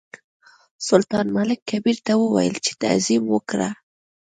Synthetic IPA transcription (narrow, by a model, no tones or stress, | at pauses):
sʊlt̪ɑnmalɪkʰːabiɾt̪awəwa̰jə̰lt͡ʃe̥t̪a̰zimwəkɾa̰